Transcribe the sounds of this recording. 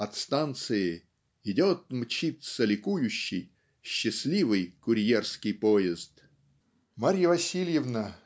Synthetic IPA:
ɐt̪st̪ant̪sɨjɪ | ɪdʲot̪̚mt͡ɕit̪səlʲɪkujʊɕːɪ̰j | ɕːɪsʲlʲivɨjkʊɾʲjerskʲɪjpojɪzt̪ | maɾʲjəvɐsʲilʲjɪvnə

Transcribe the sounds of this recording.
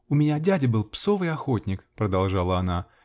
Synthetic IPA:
ʊmʲɪnʲadʲædʲɪbɨlˠpsovɨjɐxotʲnʲɪkpɾəd̪ɐlˠʐɑlˠəɐna

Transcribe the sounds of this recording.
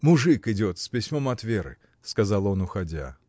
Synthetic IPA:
mʊʐɨkɪdʲot̪spʲɪsʲmomɐt̪vʲeɾɨ̰ | skɐzɑlˠo̞nʊxɐdʲa̰

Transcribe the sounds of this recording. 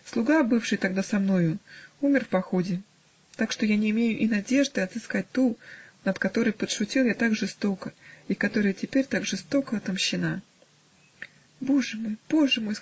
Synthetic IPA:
slˠʊɡabɨfʂɨjt̪ɐɡd̪asɐmno̞jʊumʲɪrfpɐxodʲɪ | t̪akʂt̪o̞janʲɪːmʲejʊʔɪnɐdʲe̞ʐd̪ɨɐt̪zɨskat̚ʲt̪unət̪kɐt̪o̞ɾəjpət̪ʂʊtʲilˠjat̪aɡʐɨst̪o̞kəikɐt̪o̞ɾəjətʲɪpʲeɾʲt̪aɡʐɨst̪o̞kəɐt̪əmɕːɪna | bo̞ʐɨmo̞jb̥o̞ʐɨmo̞j

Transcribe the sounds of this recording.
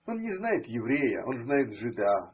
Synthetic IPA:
o̞nnʲɪznajɪt̪jɪvɾʲejə̰ʔo̞nznajɪt̪ʐɨd̪a

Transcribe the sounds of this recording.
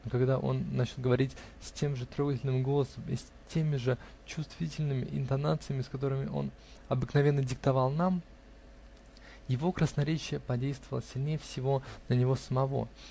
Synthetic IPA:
nokɐɡd̪aʔo̞̰nːat͡ɕɪlˠɡəvɐɾʲitʲ | sʲtʲe̞mʐɨt̪ɾo̞ɡətʲɪlʲnɨmɡolˠəsəmisʲ | tʲe̞mʲɪʐɨ | t͡ɕʊst̪vʲitʲɪlʲnɨmʲɪ̰ʔɪ̰nt̪ɐnat̪sɨjəmʲɪskɐt̪̬o̞ɾɨmʲɪʔo̞̰n | ɐbɨknɐvʲe̞nːədʲɪk̚t̪ɐvalˠnam | jɪvo̞kɾəsnɐɾʲet͡ɕɪjəpɐdʲejst̪vəvəlˠəsʲɪlʲnʲejəfsʲɪvo̞nənʲɪvo̞səmɐvo̞̰

